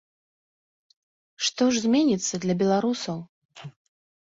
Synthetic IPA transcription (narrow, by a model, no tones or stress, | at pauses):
ʂt̪ɔʐzʲmʲenʲit̪sːɐd̪lʲɐbʲɛlˠaɾusɐw